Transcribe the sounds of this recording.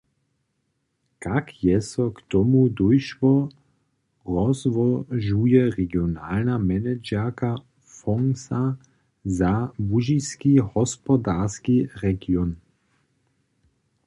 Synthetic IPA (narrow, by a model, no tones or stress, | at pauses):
kakjɛsɔkt̪ɔmud̪ojʃʋɔ | ʁɔzʋɔʒujɛʁɛɡjonaːlnamɛnɛd͡ʒɛka | fɔŋsa | zabuʒiskihɔspɔd̪askiʁɛɡiɔn